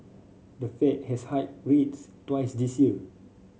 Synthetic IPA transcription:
dəfɛt̚hɛshat̚ɹetstwaɪsdisjiə

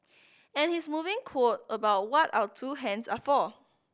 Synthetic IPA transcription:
ɛ̃nhismuvɪ̃ŋkʰwot̚əbaʊt̚wɔta̰ʊətʰuɦɛ̃nsa̰fɔ

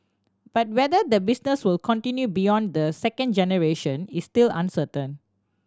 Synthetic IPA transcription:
b̥at̚wɛdəd̪əbisnəswɪlkʰɔ̃ntĩnjubijɔ̃nd̪əsɛkə̃nd͡ʒɛnəɹeʃə̃nistilã̰nsətə̃n

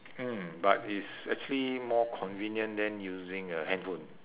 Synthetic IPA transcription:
m̩batisɛk̚t͡ʃuəlimɔkʰɔ̃nvĩnjə̃ndɛ̃njuzĩŋəhɛ̃ndfũn

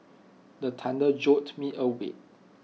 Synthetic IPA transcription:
dətʰãndəd͡ʒɔtmiʔəwḛt̚

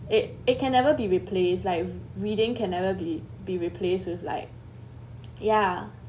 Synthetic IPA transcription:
ɪtɪt̚kʰɛ̃nːɛvəbiɹipʰleslaɪk̚ɹidɪ̃ŋkʰɛ̃nːɛvəbibiɹipʰlestwɪθla̰ɪk̚ | ja

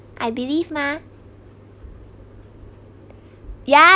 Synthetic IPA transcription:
ʔajbilivma | ja

